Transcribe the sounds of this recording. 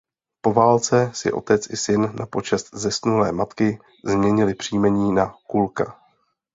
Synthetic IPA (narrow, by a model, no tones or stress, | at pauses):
po̞vaːlt͡sɛsɪ̰ʔo̞̰t̪ɛt͡sɪsɪnːapo̞t͡ʃɛst̪̚zɛsnulɛːmat̪kɪ | zmɲɛɲɪlɪpr̥iːmɛɲiːnakulka